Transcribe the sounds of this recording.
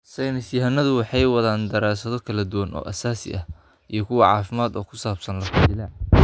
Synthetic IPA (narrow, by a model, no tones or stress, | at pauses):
sɛjnɪsjɐɦɐnɐðʊwɑħɑjwɑðaːnd̪ɐɾaːsɐðɔkʰɐlɐd̪ʊwɐnɔ̰ːʔɐsaːsɪ̰ʔɐh | ʔijɞkʰʊwɑʕɑ̰ːfɪmaːd̪ɔːkʰʊ̥saːb̥sɐnlɐkʊbɪlɐ